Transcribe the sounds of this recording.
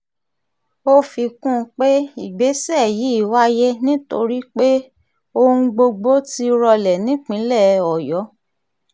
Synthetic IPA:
o˦fi˧kũ˦˧k͡pe˦i˨ɡ͡be˨˦sɛ˦˨ji˨˦i˦˨wa˦je˦nĩ˦to̰˧ɾi˦k͡pe˦ | o˧ũ˧ɡ͡bo˧ɡ͡bo˦ti˧˦ɾɔ˧lɛ˨nĩ˨˦k͡pĩ˨˦lɛ˦˨ɔ˨jɔ˨˦

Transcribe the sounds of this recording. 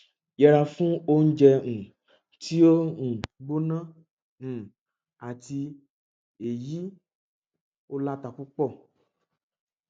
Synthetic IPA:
jɛ˨ɾa˨fũ˦o˦ŋ̩˦d͡ʒɛ˦ŋũ˨ | t̪i˦wo˦ŋũ˨bo˦nã˦ | ŋ̩̃˨ | a˨t̪i˨ | e˨ji˦ | wo˦la˦t̪a˨ɸu˦k͡pɔ˦˨

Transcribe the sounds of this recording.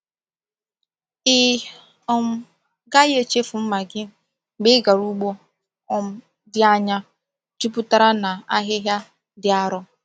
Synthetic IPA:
ɪ˦ | ɔ˦m̩˦ | ɡa˦je˦˨t͡ʃe˦fu˨m̩˦ma˨ɡɪ˦ | ɡ͡bɪ˦ɡa˨ɾu˦ɡ͡bo˦ | ɔ˦m̩˦ | dɪ˦a˦ɲa˦ | tu˦pʊ˦ta˦ɾa˦na˨a˦ɦɪ˦ɦja˦ | dɪ˨a˦ɾɔ˦

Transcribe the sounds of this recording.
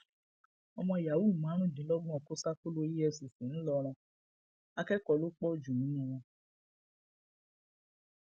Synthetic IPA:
ɔ˧mɔ̃˧ja˨wu˦˨mã˨˦ɾũ˦˨dĩ˨˦lɔ˦ɡ͡bɔ̃˦ɔ˨ko˦sa˦ko˦lo˦i˦ɛ˧su˨fẽ˨˦ñ̩˦lɔ˧ɾ̃ɔ̃˧ | a˧kɛ˦kɔ˧˨lo˦k͡pɔ˦˨d͡ʒu˨nũ˨˦ũ˦w̃ɔ̃˧

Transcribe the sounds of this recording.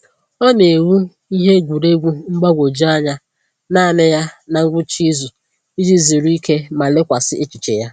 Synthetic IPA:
ɔ˦ne˨wu˦ | i˦ɦe˦ɡʷu˨ɾe˦ɡʷu˦ŋ͡m̩˦ɡ͡ba˦ɡʷo˨d͡ʒi˦a˦ɲa˦ | na˦˨nɪ˦ja˦na˨ŋ̩˦ɡʷʊ˦t͡ʃi˦zu˨ | i˦d͡ʒi˦zi˨ɾu˦i˦ke˦ma˨lɪ˦kʷa˨sɪ˦ʔe˦t͡ʃi˨t͡ʃḛ˨ja˦

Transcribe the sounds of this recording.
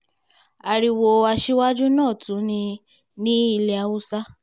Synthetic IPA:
a˧ɾi˧wo˧a˧ʃi˦wa˦d͡ʒu˦nãː˦˨tũ˨˦nĩ˧ | nĩ˦i˧lɛ˧a˧wu˦sa˦

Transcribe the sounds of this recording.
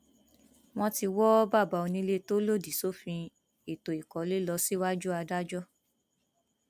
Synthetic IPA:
w̃ɔ̃˦ti˧wɔ˦ba˦˨ba˨˧o˧nĩ˧˦le˦to˦lo˦˨di˨so˦fĩ˧ | e˨to˨i˨kɔ˨˦le˦lɔ˧si˦wa˦d͡ʒu˦a˧da˦d͡ʒɔ˦

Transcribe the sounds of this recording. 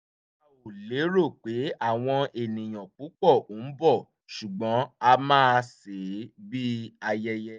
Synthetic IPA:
a˨o˨le˨˦ɾo˦˨k͡pe˨˦a˦˨w̃ɔ̃˧e˨nĩ˨j̃aɔ̃˨k͡pu˨˦k͡pɔ˦˨o˨˦n̩˦bɔ˦˨ | ʃu˨ɡ͡bɔ̃˨˦a˧mãː˦˧se˨˦bi˦a˧jɛ˦jɛ˦

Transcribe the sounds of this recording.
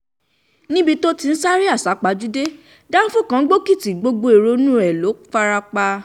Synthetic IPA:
nĩ˦bi˧to˦ti˧n̩˦sa˦ɾi˦a˦˨sa˨˦k͡pa˧˦d͡ʒu˦de˦ | dã˦n̩˦fũ˦˨kã˨˦ɡ͡bo˦ki˦˨ti˨ɡ͡bo˧ɡ͡bo˧e˨ɾo˧˦nũ˦ɛ˨lo˨˦fa˦ɾa˧k͡pa˧

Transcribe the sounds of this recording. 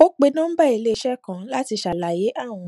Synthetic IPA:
o˦k͡pe˧nãː˦ba˦˨i˧le˦˧ʃɛ˦kã˦la˦ti˧ʃa˨la˨je˨˦ʔa˦˨w̃ɔ̃˧

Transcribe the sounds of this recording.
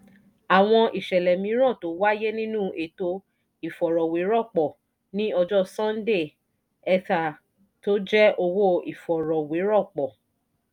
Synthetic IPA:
a˨w̃ɔ̃˧ʔi˨ʃɛ˨lɛ˨mĩ˨˦ɾ̃ã˦˨to˨˦wa˦je˦nĩ˦nũ˦ʔe˨to˧ | i˨fɔ˨ɾɔ˨we˨˦ɾɔ˦˨k͡pɔ˨ | nĩ˦ɔ˧d͡ʒɔ˦sɔ̃˦n̩˦de˦˨ | ɛ˧ta˨ | to˦d͡ʒɛ˦ʔo˧wo˦i˨fɔ˨ɾɔ˨we˨˦ɾɔ˦˨k͡pɔ˨

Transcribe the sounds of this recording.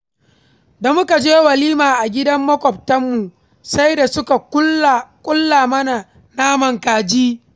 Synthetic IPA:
da˨mʊ˦ka˨d͡ʒeː˦wɐ˨liː˦maː˨ʔa˨ɡʲɪ˦dɐ˦mːɐ˦kʷɔ˨b̚tɐ˦mːu˨ | sa˦jda˨sʊ˦ka˨kʊ˦˨kʷʼʊ˦lːaː˨mɐ˦na˨ | naː˦mɐ˨ŋkaː˨d͡ʒiː˦

